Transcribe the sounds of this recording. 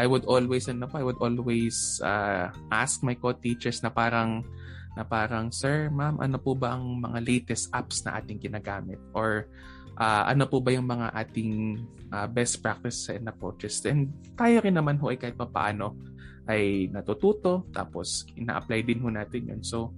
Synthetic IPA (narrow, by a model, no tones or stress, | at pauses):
ʔajwʊd̪ʔolwɛjsɐnopʔɐjwʊd̪ʔoːlwɛjsa̰ʔa̰sk̚mɐjkot̪ːit͡ʃɛɹsnɐpaːɾɐŋnɐpaːɾɐŋsɛɹmamʔɐ̰nopʊbɐʔɐŋmɐ̰ŋalɛjt̪ɛst̪ʔapsnɐ̰ʔa̰ːt̪ɪŋɡɪnaːɡaːmɪt̪̚ʔoɹ | ʔaːʔɐ̰nopʊbɐjʊŋmɐŋa̰ʔaːt̪ɪŋʔabɛst̪̚pɹak̚t̪ɪsːɐʔɛnɐpɹot͡ʃɛsʔɛnd̪̚t̪aːjoɾɪnːɐmanɦo̞ʔɐjkaːhɪt̪̚pɐpɐ̰ʔa̰ːno̞ | ʔɐjnɐt̪ut̪uːt̪o̞t̪a̰ːposʔɪna̰ʔɐ̰plajd̪ɪnɦonaːt̪ɪnjo̰nso